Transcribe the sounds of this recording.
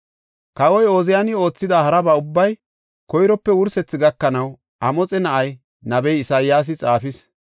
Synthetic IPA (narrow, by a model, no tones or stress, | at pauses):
kɐwɔjo̞ːzɪjanɪo̞ːt͡sːɪd̪ahɐɾɐbɐʊbːɐj | kɔjɾɔpːɛwʊɾsɛt͡sːɪɡɐkːɐnɐw | ʔɐmɔt͡sʼɛnɐʔɐj | nɐbɛjɪsaːjjaːs̬ɪt͡sʼaːfɪs